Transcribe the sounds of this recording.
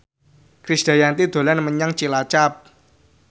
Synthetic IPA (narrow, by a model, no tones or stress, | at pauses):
kɾisd̥a̤jant̪id̪̥o̤lanməɲaŋt͡ʃilat͡ʃap̚